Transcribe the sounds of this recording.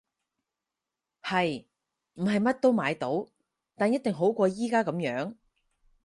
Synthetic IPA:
hɐ˨j | m̩˨˩ɦɐ˨jmɐ˥t̚t̪o˥wmaː˨˧jt̪o˨˥w | t̪aː˨njɐ˥t̚t̪ɪ˨ŋɦo˨˥wkʷɔː˧jiː˥kaː˥kɐ˨˧˥mjœː˨˥ŋ

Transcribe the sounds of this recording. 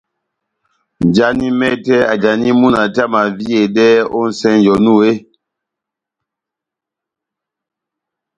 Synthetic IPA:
n˨d͡ʒa˦ni˦mɛ˦tɛ˦a˨d͡ʒa˨ni˦mu˦na˨ta˦˨ma˨vi˦e˨dɛ˦o˦n̩˦sɛ˦n˨jɔ˨nu˦˨e˦

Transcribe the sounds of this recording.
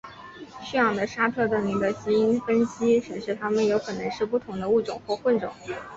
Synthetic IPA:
ɕy˥˩ɑ˨˩ŋd̪ə˦˩ʂa˥t̪ʰɤ˥˧t̪ɤ˥˩ny˧˥˩d̪ə˧˩ɕi˧˥i˥nfə˥nɕi˥ʈ͡ʂɻ̩˨˩ʂɻ̩˥˩t̪ʰa˥mə˨njo˧˥ʊkʰɤ˨˩nɤ˧˥ŋʂɻ̩˥˧p̬u˥˩t̪ʰʊ˧˥ŋd̪ə˧u˥˩ʈ͡ʂʊ̰˨˩ŋxwɔ˥˧xwə˥˩nʈ͡ʂʊ̰˨˩˦ŋ

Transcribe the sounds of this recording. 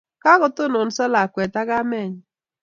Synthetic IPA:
ka˦ɣʊ˨tʊ˦nʊ˨n̩˦sa˦la˨kʷe˨ta˦ɣa˦mɛ˦˨ɲ˨

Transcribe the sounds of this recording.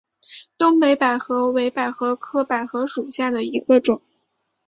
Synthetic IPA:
t̪ʊ˥ŋpe˧˥ɪpa˨˩ɪxɤ˧˥we˧˥ɪpa˨˩ɪxɤ˧˥kʰɤ˥pa˨˩ɪxɤ˧˥ʂu˨˩ɕja˥˩d̪ə˩i˧˥ɡ̥ə˧ʈ͡ʂʊ˨˩˦ŋ

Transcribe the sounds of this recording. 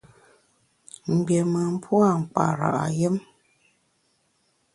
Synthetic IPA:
m̩˨bje˨mə˨m̩˦pʰwa˦˨ŋ̩˨k͡pa̰˨ɾa̰˨ʔa̰˨je˦m

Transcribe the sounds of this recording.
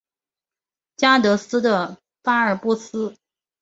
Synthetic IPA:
t͡ɕja˥t̪ɤ˧˥sɹ̩˥d̪ə˨ | fa˥ə˞˧˩pu˥sɹ̩˥

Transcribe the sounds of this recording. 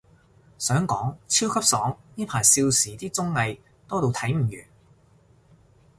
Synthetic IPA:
sœː˨˥ŋkɔː˨˥ŋt͡sʰiː˥wkʰɐ˥p̚sɔː˨˥ŋniː˥pʰaː˨˩jsiː˧wsiː˨˥t̪iː˥t͡sʊ˥ŋːɐ˧j | t̪ɔː˥t̪o˨˧wt̪ʰɐ˨˥jm̩˨˩jyː˨˩n

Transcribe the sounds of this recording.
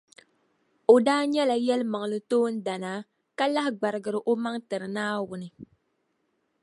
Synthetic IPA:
o˨daː˦ɲɛ˦la˨jɛ˦lɨ˦ma˨ŋ˨lɨ˦toː˦n̩˦da˨naː˨˦ | ka˦la˦hɪ˦ɡ͡ba˨ɾɨ˨ɡɨ˨ɾɨ˨ʔo˦ma˦ŋtɨ˨ɾɨ˨naː˦wʊ˨nɨ˨

